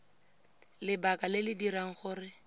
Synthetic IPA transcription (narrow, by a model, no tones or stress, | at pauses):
lɪbakalɪlɪdiɾaŋ̩χʊːrɪ